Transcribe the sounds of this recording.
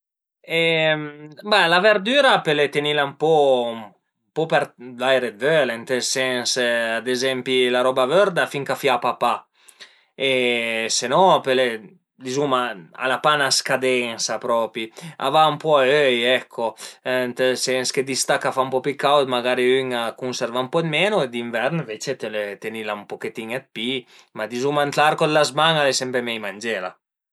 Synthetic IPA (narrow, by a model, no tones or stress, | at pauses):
ɛ | balaveɾd̪yːɾapelet̪enilampɔm | pɔpɛɾlajɾedølɛnt̪elsɛnsad̪ezɛmpilaɾɔbavøɾd̪afiŋkafjapapa | esenɔpele | d̪izumaa̰lapanaskad̪ɛŋsapɾɔːpia̰vaumpɔaøjɛkʰːont̪esɛnsked̪ist̪akːafaumpɔpikːawt̪maɡaɾiyŋakunsɛɾvaumpɔed̪meːnoed̪iɱvɛɾnvet͡ʃet̪elet̪enilaumpoket̪iŋɛt̪̚pi | mad̪izumant̪laɾkod̪lazmaŋalesɛmpemɛjmand͡ʒɛːla̰